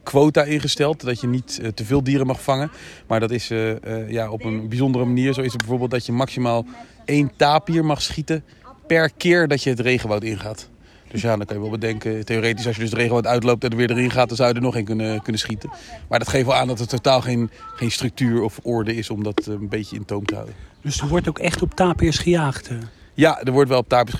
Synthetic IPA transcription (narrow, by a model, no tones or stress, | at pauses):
kʋowtaɪnχəstɛlˠtdɑtjənittəvɪːlˠdiːɾəmɑχfɑŋəmaːɹdɑtɪsjaɔpənbizɔndərəmaniːɹzowɪsəd̚bɛjvoːɹbeːlˠtdɑtjəmɑksimaːlˠ | ejntaːpiːɹmɑχsχitə | pɛɹkɪːɹdɑtjəɦətrejχəʋawtɪnχaːt | d̥øsjaːdɑnŋkɑnjəʋɛlˠbədɛŋkəteoːrejtɪsɑlˠʃjədsdərejχəʋawtœɥtlowp̚dɑtdəɹʋɪːɹdəɹɪnχaːt̚dɑnzɑwjədəɹnɔχenkɵnəkɵnənsχitənmaːdɑtχejftʋɛlˠaːndɑtətːotaːlˠχejnχejnstrɵk̚tyːɹɔfʔɔɹdəɪsɔmdɑtnbejcəɪ̰ntowmtəɦa̰wdənd̥ɵsdəɹʋɔɹtowkɛχtɔp̚taːpiəsχəjaːχt | jadəɹʋɔɹtʋɛlˠɔp̚taːpi